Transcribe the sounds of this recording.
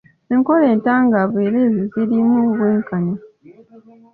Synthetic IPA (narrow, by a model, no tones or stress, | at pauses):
eŋko̞leːntaːŋɡaβweːlezizilimuːβweːŋkaɲo